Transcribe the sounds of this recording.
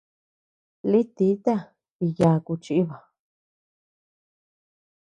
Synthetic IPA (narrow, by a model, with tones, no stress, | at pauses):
li˦t̪i˨˦t̪a˦ | i˧ja˨˧˨ku˧t͡ʃi˧i˦βa˨